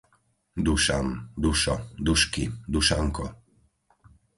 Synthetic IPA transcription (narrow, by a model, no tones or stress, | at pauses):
d̪uʃamd̪uʃɔd̪uʃkid̪uʃaŋkɔ